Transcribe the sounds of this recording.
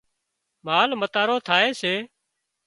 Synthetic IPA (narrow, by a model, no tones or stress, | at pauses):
maːlmət̪aːɾoːt̪ʰaːeːseː